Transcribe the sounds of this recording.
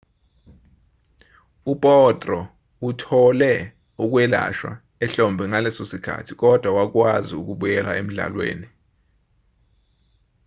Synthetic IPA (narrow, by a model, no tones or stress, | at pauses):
upʼɔtʼrɔ | utʰɔlɛ | uk̬wɛla̰ʃwa̰ | ɛɬɔmbʱɛŋalɛsosikʰa̰tʰik̬ɔd̥ʱwawak̬waziuk̬uɓujɛlaʔem̩ɮa̰lwḛːni